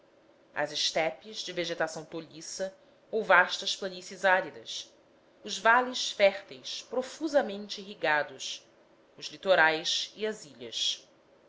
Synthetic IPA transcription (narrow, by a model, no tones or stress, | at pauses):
ɐ̰zɪʃt̪ɛpizd͡ʒɪveʒet̪asɐ̃w̃t̪oʎisɐ | owvaʃt̪ɐʃplɐnisɐzaɾid̪ɐ̰s | ʊzvaliʃfɛχt̪ejspɾofuzɐmẽnt͡ʃɪɦiɡad̪ʊs | ʊzlit̪oɾajsiɐziʎɐ̰s